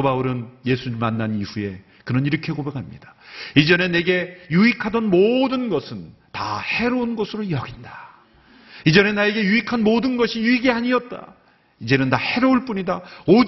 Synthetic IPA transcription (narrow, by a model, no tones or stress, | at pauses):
obauɾɯnje̞sʰuɲimanːaniɸue̞ | kɯɾʌniɾʌkʰe̞kobe̞kʰamɲḭd̥ḁid͡ʑʌne̞ne̞ɡe̞juikʰadʌnmodɯnɡʌsʰɯn | ta̰he̞ɾounɡʌsʰɯɾojʌɡinda | id͡ʑʌnenae̞ɡe̞juikʰanmodɯnɡʌɕʰijuiɡiaɲiʌt̚t͈a̰ | id͡ʑe̞nɯntahe̞ɾouɭp͈uɲidao